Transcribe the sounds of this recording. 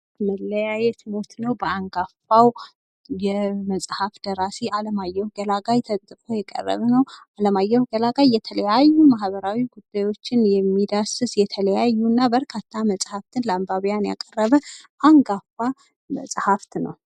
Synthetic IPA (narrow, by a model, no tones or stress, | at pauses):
məlːəjajɛt̪mo̞t̪nəwbəaŋɡafaw | jɛməsʼhafd̪̥əɾaseʔaləmajːɛhɡəlaɡajt̪ʰət̪ʼt̪ʼɨfʼo̞jɛkʼə̰rːə̰βnəwaləmajːɛhɡəlaɡajːɛt̪ʰələjajːumahβəɾawiɡud̪̥ːajwo̞t͡ʃːɪnjɛmːid̪asɨsjɛt̪ʰələjajːunːabəɾkʰat̪ʰːaməsʼhaft̪ʰɨnlambaβjanja̰kʼərːəβəʔaŋɡafa | mə̰sʼhaft̪nə̰w